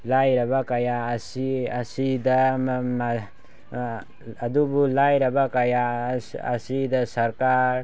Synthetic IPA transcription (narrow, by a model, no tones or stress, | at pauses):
lajɾɐbakɐjasiɐsid̪m | ɐd̪ubulajɾɐbakɐjaɐ̰sid̪ɐsɐɾkaɾ